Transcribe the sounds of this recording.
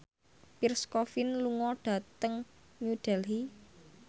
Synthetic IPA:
pirskɔfinluŋɔɖ̥ä̤t̪əŋ | muɖ̥ɛlɦi

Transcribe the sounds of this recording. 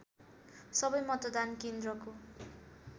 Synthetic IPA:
sʌbʌjmʌt̪ʌd̪ankend̪rʌko

